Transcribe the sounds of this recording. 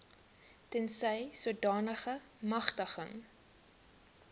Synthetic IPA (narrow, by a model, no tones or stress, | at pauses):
tɛnsəjsuədɑːnəχə | mɐχtəχə̰ŋ